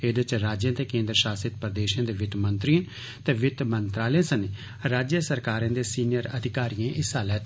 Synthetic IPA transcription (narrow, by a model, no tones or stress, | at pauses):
ed̪ət͡ʃɾaːd͡ʒjãːt̪eːkẽːnd̪ɾəʃaːsɪt̪̚pəɾd̪eːʃãːd̪eːʋɪt̪mənt̪ɾijãː | t̪ɛːʋɪt̪mənt̪ɾaːlẽːsəne | ɾaːd͡ʒjəsəɾkaːɾãːd̪eːsiːnɪjəɾə̰d̪ʱɪkaːɾijãːʔɪsaːlət̪